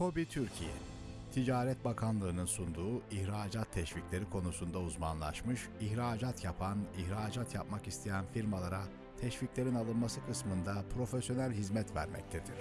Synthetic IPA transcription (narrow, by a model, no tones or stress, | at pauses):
ko̞bit̪ʰyɾcʰijɛ̰ | t̪ʰid͡ʒaːɾɛt̪̚bakʰanlˠɯːnɯnsund̪uːiçɾaːd͡ʒat̪ʰːɛʃviclʲe̞ɾikʰo̞nusund̪auzmanlˠa̰ʃmɯʃiçɾaːd͡ʒat̪ʰjapʰaniçɾaːd͡ʒat̪ʰjap̚makist̪ʰejænfiɾmalˠaɾa | t̪ʰɛʃviclʲe̞ɾinalˠɯnmasɯkʰɯsmɯnd̪apʰɾo̞fesjo̞nælʲɦizmɛt̪væ̰ɾmɛ̰c̚t̪ʰɛd̪iɾ̥